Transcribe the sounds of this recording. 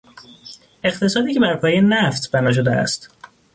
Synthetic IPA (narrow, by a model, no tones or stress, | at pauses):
e̞χt̪ʰe̞sɒːd̪iːcʰe̞bæɾpʰɒːjenæft̪bænɒːʃ̬o̞d̪eæ̰st̪